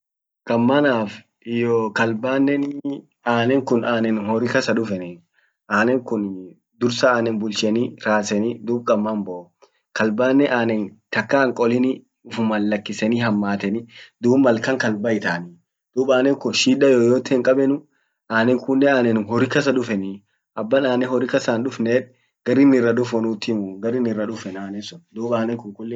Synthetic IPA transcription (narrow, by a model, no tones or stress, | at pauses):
kʼɐmːɐnaːf | ɪjɔkɐlbaːnːɛn | aːnɛŋkʊnaːnɛnhɔɾɪkɐsɐᶑʊfɛnɛ | ʔaːnɛŋkʊn | d̪ʊɾsɐaːnɛnbʊlt͡ʃɛniɾaːsɛnid̪uːb̚kʼɐmːɐmbɔ | kɐlbaːnːɛʔaːnɛnt̪ɐkːaːŋkʼɔlɪni | ʊfmɐlːɐkːɪsɛniːɦɐmːaːt̪ɛnid̪uːbmːɐlkɐŋkɐlbɐɪt̪ani | d̪̥uːbaːnɛŋkʊʃiːᶑɐjoːjoːt̪ɪːŋkʼɐbɛnʊ | ʔaːnɛŋkʊnːɛaːnɛnnɦɔɾɪkɐs̬ɐᶑʊfɛni | ʔɐbːɐnaːnɛhɔɾɪkɐsanᶑʊfneːᶑ | ɡ̥ɐɾɪnɪrːɐᶑʊfɔnuːt̪ːɪmʊɡɐɾɪnɪrːɐᶑʊfɛnaːnɛsɔnd̪uːbaːnɛŋkʊŋkʊlːɛ